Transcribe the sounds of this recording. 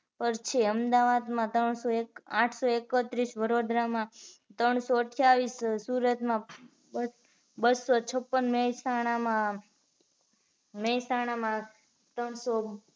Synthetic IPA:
pəɾt͡ʃʰeəmd̪aʋad̪mãt̪ɾəɳ̃soekãʈʰsoekət̪ɾisʋəɾod̪ɾamãt̪ɾəɳ̃soəʈʰjaʋisːuɾət̪mã | bəsot͡ʃʰəpːənmesaɽ̃amã | mesaɽ̃amã | t̪əɳso

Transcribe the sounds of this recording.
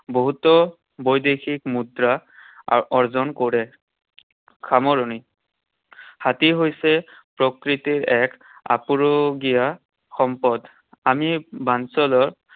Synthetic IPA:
boɦutɔ | bojdexʰikmudɹa | ɔɹzɔnkoɹɛ | kʰamɔɹoni | hatiɦojsɛpɹɔkɹitiɹɛk | a̰puɹoɡija | xɔmpɔd | amibansɔlɔɹ

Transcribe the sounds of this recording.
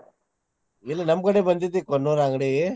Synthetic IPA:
ilːɐnɐmkɐɽebɐnd̪it̪ːikonːuɾaːŋɡɽi

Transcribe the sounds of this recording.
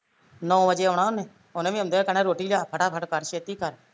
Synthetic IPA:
nɔ̃ːʋəd͡ʒeːəʋɳaːʊnẽː | ʊnẽːʋiːəmd̪eːkəɳẽːɾoːʈiːd͡ʒaːpʰəʈaːpʰəʈkəɽʃeːt̪iːkəɾ

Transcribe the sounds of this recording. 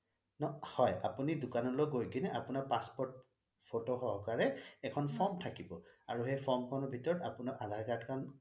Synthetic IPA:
nɔhɔja̰punidʊkanɔloɡojɡinɛʔapunaɹpaspɔɹt̚ | pʰotoxɔɦkaɹɛɛkʰɔnpʰɔɹmtʰakibɔa̰ɹuxejpʰɔɹmkʰɔnɔɹbʱitɔɹɔtapunaɹʔadʱaɹkatkʰan

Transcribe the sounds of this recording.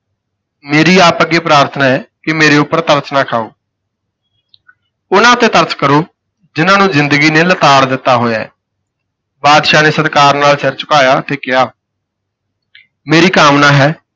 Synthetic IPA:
meːɾiːaːpəɡeːpɾaːɾt̪ʰnaːɦɛːkɪmeːɾeːʊpːəɾt̪əɾtnaːkʰaːo̰ː | ʊnãːt̪eːt̪əɾtkəɾoː | d͡ʒɪnãːnũːzɪnd̪əɡiːneːlət̪aːɽd̪ɪt̪ːaːɦoːjaɛ̰ː | baːd̪ʃaːneːsət̪kaːɾnaːlsɛɾt͡ʃʊ̥kaːjaːt̪eːkɪɦaː | meːɾiːkaːmnãːɦɛː

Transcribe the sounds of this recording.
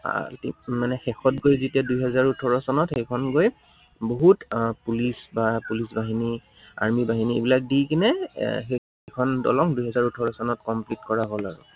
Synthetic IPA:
tḭmanɛxɛxɔt̚ɡojzitiadujɦɛzaɹutʰɔɹɔsɔnɔtxejkʰɔnɡoj | boɦutpulisbapulisbaɦini | a̰ɹmibaɦiniḛbilak̚dikinɛxe | ekʰɔndɔ̰lɔŋduɦɛzaɹutʰɔɹɔsɔnɔtkɔmplitkɔɹaɦola̰ɡɔ̰

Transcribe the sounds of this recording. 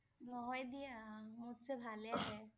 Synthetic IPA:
nɔɦɔjd̪imʊd̪sebʱaːljaɦɛː

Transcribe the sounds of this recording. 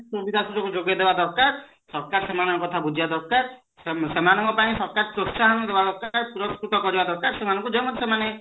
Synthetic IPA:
sobid̪asutɔkud͡ʒoɡed̪ebad̪ɔɾkaɾ | sɔɾkaɾsemanɔŋkɔt̪ʰabud͡ʒʱiad̪ɔɾkaɾ | esemanɔŋkɔpaĩsɔɾkaɾpɾotsaɦand̪ebad̪ɔɾkɾpuɾɔskɾut̪ɔkɔɾibad̪ɔɾkaɾsemanɔ̃ŋkud͡ʒemod̪ʱsemane

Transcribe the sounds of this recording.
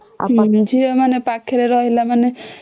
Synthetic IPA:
a̰ãnd͡ʒʱiɾemanepakʰeɾeɾɔɦilamane

